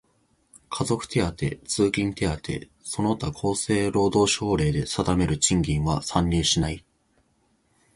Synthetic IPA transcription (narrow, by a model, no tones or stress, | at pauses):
kʰazo̞kɯ̟̥t̪e̞at̪e̞̰t͡sɨːkʲĩnt̪e̞at̪e̞̰ | so̞no̞t̪akʰo̞ːse̞ːɾo̞ːd̪o̞ːɕo̞ːɾe̞ːd̪e̞sad̪ame̞ɾɯ̟t͡ɕĩŋɡʲĩɰ̃βasãɲːʲiːɕinai